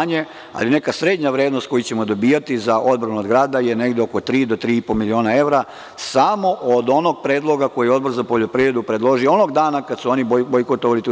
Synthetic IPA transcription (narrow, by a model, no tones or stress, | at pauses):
ɲe̞ | a̰line̞kasɾe̞d̪ɲaʋɾeːd̪nost̪ko̞jut͡ɕemo̞d̪o̞biːjat̪izaʔo̞d̪̚bɾanuod̪ɡɾaːd̪ajene̞ɡd̪eo̞kot̪ɾiːd̪o̞t̪ɾiːipomilio̞ːnae̞ʋɾa | samo̞ʔod̪o̞no̞ɡ̚pɾeːd̪lˠo̞ɡako̞jijɛo̞d̪boɾzapo̞ʎo̞pɾiʋɾed̪upɾed̪lˠo̞ʒijoo̞no̞ɡd̪aːnakad̪suo̞nibobojkot̪oʋalit̪u